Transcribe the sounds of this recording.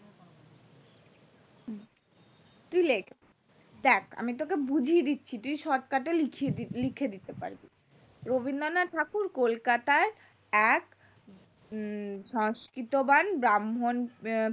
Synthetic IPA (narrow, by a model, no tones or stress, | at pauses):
t̪ulek | d̪ɛkʰa̰mit̪̬okebud͡ʑʱied̪itːɕʰit̪umiʃɔɾkaʈelikʰielikʰed̪it̪epa̰ɾbi | ɾobind̪onaʈʰakuɾkolkat̪aɾ | ɛk | ʃɔŋskɾit̪obanbɾamɦon